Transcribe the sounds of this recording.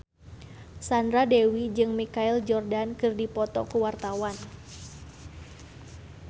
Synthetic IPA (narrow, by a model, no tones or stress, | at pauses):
sandɾadewid͡ʒɨŋmikaild͡ʒɔrdankɨrdipɔt̪ɔkəwart̪awan